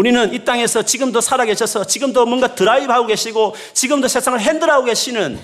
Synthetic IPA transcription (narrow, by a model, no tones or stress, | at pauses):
uɾinɯnit͈aŋe̞sʰʌt͡ɕiɡɯmdosʰaɾaɡe̞ɕʰʌsʰʌt͡ɕiɡɯmdomʌnɡatɯɾaibɦaɡoɡe̞ɕʰiɡo | t͡ɕiɡɯmdosʰe̞sʰaŋɯɭɦendɯɾaɡoɡe̞ɕʰinɯn